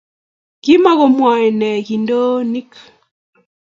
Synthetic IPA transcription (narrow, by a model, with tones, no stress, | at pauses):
ɡ̥i˦ma˦ɣo˨mwa˨nɛ˨ki˨ndo˦ni˦k